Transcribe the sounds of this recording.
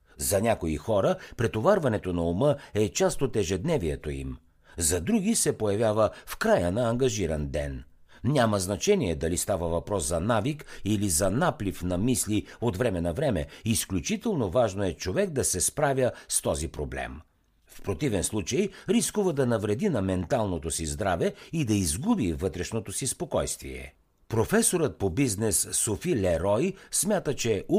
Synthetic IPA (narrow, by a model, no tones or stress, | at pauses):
zɐnʲakoixɔɾəpɾɛt̪ovaɾvɐnɛt̪onɐumɤɛt͡ʃast̪ot̪ɛʒɛd̪nɛviɛt̪oḭm | zɐd̪ɾuɡisɛpojɐvʲjavəfkɾajənɐːŋɡɐʒiɾɐnd̪ɛn | nʲamɐznɐt͡ʃɛnʲiɛd̪ɐlist̪avəvɐpɾɔszɐnavikilizɐnaplifnɐmisliot̪vɾɛmɛnɐvɾɛmɛ̰isklʲut͡ʃit̪ɛlˠnovaʒnoɛt͡ʃovɛɡ̚d̪ɐsɛspɾavʲjəst̪ɔzipɾoblɛ̰m | fpɾot̪ivɛnslˠut͡ʃəjɾiskuvəd̪ɐnɐvɾɛd̪inɐmɛnt̪alˠnot̪osizd̪ɾavɛid̪ɐizɡubivɤt̪ɾɛʃnot̪osispokɔjst̪vḭɛ̰ | pɾofɛsoɾət̪̚pobiznɛsːofilɛɾɔjsmʲjat̪ət͡ʃɛu